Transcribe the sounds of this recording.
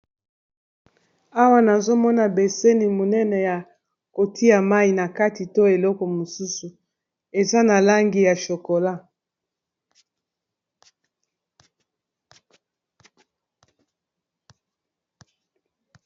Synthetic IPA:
a˦wa˦na˨zo˦mɔ˦na˨be˨se˦ni˨mo˨nɛ˦nɛ˨ja˨ | ko˨tʰi˦a˨ma˦i˨na˨ka˦ti˨to˦e˨lɔ˦kɔ˨mo˨su˦su˨ | e˨za˦na˨la˦ŋɡi˨ja˨ʃo˨ko˨la˦

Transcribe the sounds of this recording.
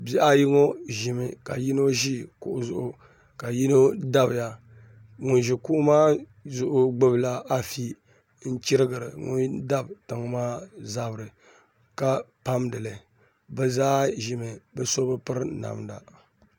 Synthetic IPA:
bi˦ʔa˦ji˦ŋo˦ʒɪ˨mɨ˨ka̰˨ji˦no˦ʒi˦kʊ̰˨ʔʊ˨zʊ˦ʔʊ˨ | ka˨ji˦no˦da˦bɨ˨ja˨ | ŋʊ˨nʒi˨ku˦ʔʊ˦maː˦ | zʊ˨ʔʊ˦ɡ͡bo˦bla˦a˦fi˦ | n̩˦t͡ʃi˦ɾɨ˦ɡɨ˨ɾɨ̰˨ŋʊ̰˦nda˦btɨ˨ŋ˦maː˦za˦bɨ˨ɾɨ˨ | ka˦pa˦mdɨ˨lɨ˨ | bɛ˦zaː˦ʒɪ˨mɨ˨bɨ˦so˦bɨ˦pɨ˦ɾna̰˨mda̰˨

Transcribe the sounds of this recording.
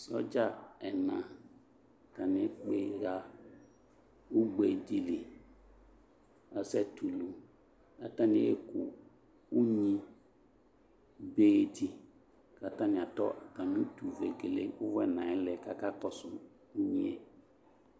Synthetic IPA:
sɔ̰˦d͡ʒa˦ɛ˨nã˨ | ta˨nɪ̃˨ɛ˦k͡pe˦ɣa˦ | u˦ɡ͡be˨di˦lɪ˨ | a˦sɛ˦tʰu˨lu˨ | a̰˨ta˦nɪ̃˦ɛ̰˦kʊ̰˨ | u˦ɲĩ˦ | be˨˦˨di˨ | ka˨ta˦nɪ̃˨a˨tɔ̰˦˨ka˨nũ˦tu˨ve˨ɡe˨le˦ʊ˦vɔ˦ɛ˨nã˨ɛ˦lɛ˨ka˨ka˦kɔ˨sʊ˨ | u˦ɲĩ˦ɛ˨

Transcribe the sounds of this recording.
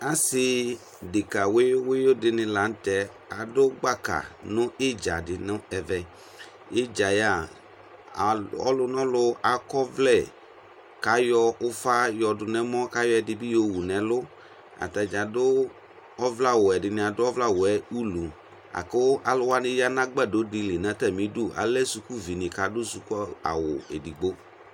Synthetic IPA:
a˦sɪ˦ | dɪ˨ka˨wɪ˦wɪ˦jo˦dɪ˧nɪ˧la˨˦n̩˦tɛ˨ | a˨dʊ˦ɡ͡ba˦ka̰˨nʊ̃˦ɪ˦d͡ʒa̰˨dɪ˨nʊ˦ɛ˨vɛ˨ | ɪ˦d͡ʒa˨ja˦˨ | ɔ̰˦lʊ˧˦nɔ̃˦lʊ˧a˨kɔ˦vlɛ˦˨ | ka˨˦jɔ˧ʔʊ˦fa˦jɔ˨dʊ˨nɛ˦mɔ̃˦ka˦jɔ˦ɛ˨dɪ˨bɪ˦jɔ˦wu˨nɛ̃˨lʊ˦ | a̰˨ta˨d͡ʒa˨dʊ˦ | ɔ˦vla˦wʊ˨ɛ˨dɪ˨nɪ˨a˨dʊ˦ɔ˦vla˦wʊ˨ɛ˦u˦lu˨ | a̰˨kʊ˦a˨lʊ˦wa˦nɪ̃˨ja˦nã˦ɡ͡ba˦˨do˦dɪ˨lɪ˨nã˨˦tɛ˦˨mĩ˨˦dʊ˦ʔa̰˨lɛ˦su˨ku˦vi˨nɪ˨ka˨dʊ˦su˨ka̰˨wʊ˨ḛ˨di˨ɡ͡bo˦

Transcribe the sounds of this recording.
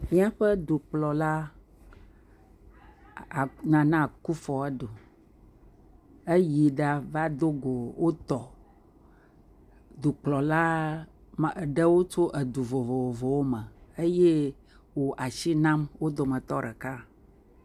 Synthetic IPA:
mĩ˦a˨ɸɛ˦d̪u˨k͡plɔ˨la˦˨ | nã˨nã˦˨ku˦fɔ˨ɛ˦ɖo˨ | e˦ji˨ɖa˨va˦d̪o˦ɡo˨wo˦t̪ɔ˨ | d̪u˨k͡plɔ˨la˦ | m˨ɖə˦wo˦t͡ʃo˦ʔə˨d̪u˨vo˨vo˨wo˨vo˨wo˦mə˨ə˦je˦ | wo˨ʔa˨ʃi˦nã˦mwo˦d̪o˨mə̃˨t̪ɔ˦ɖɛ˨ka˦

